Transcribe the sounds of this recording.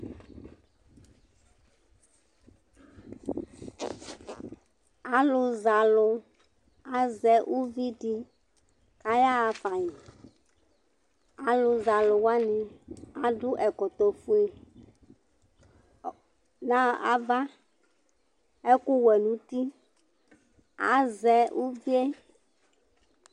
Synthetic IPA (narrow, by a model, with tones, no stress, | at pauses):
a˨lʊ˨za˨lʊ˧ | a˨zɛ˦ʔu˦vi˦di˦ | ka˦ja˦a˨fa˨ɲi˨ | a˨lʊ˨za˨lʊ˨wa˦nĩ˨a˨ɖʊ˦ʔɛ˨kɔ˨t̪ɔ˨fu˦e˦ | nã˦a˨va˦ | ɛ˦kʊ˦wɛ˨nũ˨˦t̪i˦ | a̰˨zɛ˨ʔu˦vi˦e˦